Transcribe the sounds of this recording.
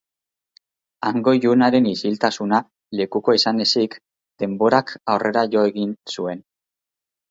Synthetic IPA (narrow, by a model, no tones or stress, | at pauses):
aŋɡo̞ʝunaɾe̞nisilt̪asuna | le̞kuko̞isane̞sik | d̪̥e̞mbo̞ɾakawre̞ɾaʝo̞e̞ɣinsue̞n